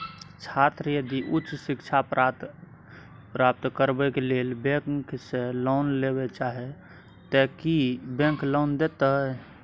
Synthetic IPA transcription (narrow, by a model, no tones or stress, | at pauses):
t͡ʃʰat̪ɾəjəd̪iʔutːt͡ʃsikt͡ʃʰap | pɾap̚t̪kəɾbɛkelelbẽkkselɔnleβet͡ʃaɦɛ | t̪əkibẽŋklɔnd̪et̪əɦ